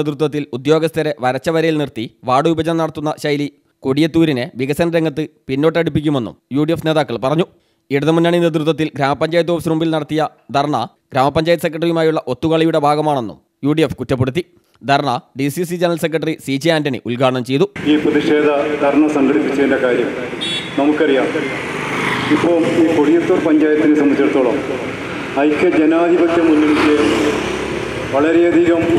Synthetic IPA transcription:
d̪ɾut̪ːɐt̪ːilud̪jo̞ːɡɐst̪ʰɐɾe̞ʋɐɾɐt͡ɕːɐʋɐɾɐjilnirt̪iʋaːɽuʋibɐd͡ʑɐnɐmnɐɽɐt̪ːunːɐɕɐjli | koɽijɐt̪ːuːɾine̞ʋiɣɐsɐnɐɾeŋɡɐt̪ːɨpinːo̞ːʈːɐɽip̬ːikʲːume̞nːṵmjuːɖijefne̞ːðaːkːɐɭpɐrɐɲːu | iɽuðɐmunːaːɳined̪rut̪̬ːɐt̪ːilɡɾaːmɐpːɐɲd͡ʑaːjɐt̪̬ːoːfsɾumbilnɐɽɐt̪ːijɐ | d̪ʱɐrɳɐ̰ | ɡɾaːmɐpːɐɲd͡ʑaːjt̪ːɐsekːrɐʈɐrijumaːjuɭːɐʔo̞t̪ːukɐɭɐjuɽe̞bʱaːɡɐmaːɳo̞nːṵm | juːɖiefkutːɐp̬ːeɽut̪ːi | d̪ʱɐrɳɐɖisis̬id͡ʑenɐɾɐlse̞kːrɐʈːɐrisiːd͡ʑiaːndɐnḛʔulɡaːɐɳɐmt͡ɕe̞jt̪uiːprɐðiʂe̞ːd̪ʱɐd̪ʱɐrɳɐsɐŋɡɐɽipːit͡ɕːɐðindɐkaːɾjɐmnɐmukːɨɐrijaːm | ipːoːiːkoɽijɐt̪ːorpɐɲd͡ʑaːjɐt̪ːinɨsɐmɐkːɐɽɐt̪ːoːɭɐm | ɐjkːɨd͡ʑenaːd̪ʱibɐkjɐmunːeɽikːeɐ | ʋɐɭɐɾejɐd̪ʱiɣɐm

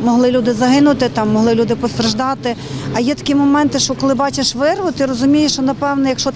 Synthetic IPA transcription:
mɔɦlˠɪlʲud̪ɪzɐɦɪnʊt̪ɪt̪ɑmːɔɦlˠɪlʲud̪ɪpɔst̪ɾɐʒd̪ɑt̪ɪ | ɐjɛt̪ɐ̥kʲimɔmɛnt̪ɪʃt͡ʃɔkɔlˠɪbɑt͡ʃeʃʋɪrʋʊt̪ɪrɔzʊmʲijɪʃt͡ʃɔnɐpɛwnɛjɐkʃt͡ʃɔ

